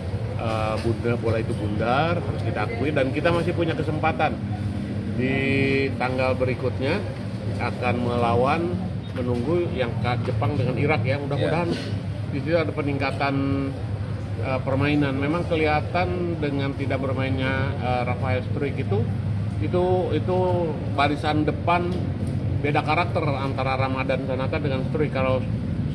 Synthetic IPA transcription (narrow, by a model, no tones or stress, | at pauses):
ʔəbundabolait̪ubundarɦaɾʊst̪idaːkuɪdankit̪amasɪhpuɲakəsəmpat̪an | dit̪aŋɡalbəɾikut̪̚ɲa | akanməlawan | mənuŋɡujaŋkat̪̚d͡ʒəpaŋdəŋaniɾakjaudahudaɦan | disit̪uadapəniŋkat̪an | əpərmainanmemaŋkəliɦat̪andəŋant̪idak̚bərmainɲaəɾafaɛlst̪ɾɪkit̪u | it̪uit̪u | baɾisandəpan | bedakaɾak̚t̪ərant̪aɾaɾamadansanat̪adəŋanst̪ɾɪkːalaw